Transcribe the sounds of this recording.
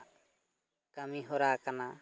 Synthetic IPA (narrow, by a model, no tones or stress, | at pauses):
kamiɦɔɾakana